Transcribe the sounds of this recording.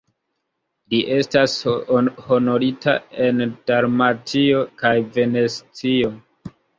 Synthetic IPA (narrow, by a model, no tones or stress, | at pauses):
liʔe̞stasho̞no̞ɾita̰e̞nd̥aɾmatʰio̞kajve̞ne̞st͡sio̞